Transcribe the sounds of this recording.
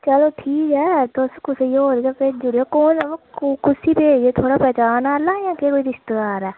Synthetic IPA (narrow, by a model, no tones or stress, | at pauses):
t͡ʃəloːʈʰiːkɦɛːt̪oskʊsjoːɾeɡaped͡ʒʊɽijaːkoːnaʋkʊsiːpeːd͡ʒeːt̪ʰoːɽaːpɛːt͡ʃaːnalãːjãːkekoːiːɾɪst̪əɡaːɾɛː